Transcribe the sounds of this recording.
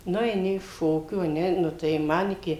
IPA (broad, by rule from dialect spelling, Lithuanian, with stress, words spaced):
ˈnʊ ɛɪˈnʲɪ ɪʃ ˈʃoːkʲuː ɐ ˈnʲɛ ˈnʊ tɐɪ ˈmɐn ɪˈkʲɪ